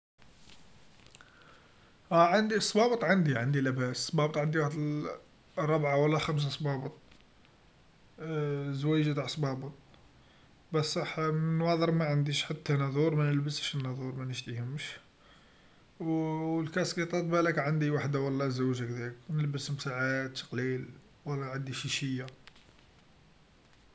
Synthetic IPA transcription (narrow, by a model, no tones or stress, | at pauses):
æʕand̪isˤːbɑbət̪ˤʕand̪iʕand̪ilæbæssbɑbət̪ˤʕənd̪iwaħd̪ | ɾˤːɑbʕawəlːæxæms̬asˤbɑbət̪ˤ | zwæjʒt̪aʕsˤbɑbət̪̚ˤ | bæsːˤɑħmnwɑd̪ˤəɾmæʕənd̪iʃħat̪ːænɑd̪ˤuɾˤmænəlbəsəʃənːɑd̪ˤuɾˤmænəʃt̪ihʊmʃ | lkæsqit̪ˤɑt̪̚ˤbælækʕənd̪iwaħd̪awɑlːɑzəʒakd̪æknəlbəsmsaʕad̪qlil | wəlːæʕənd̪iʃiʃəjːa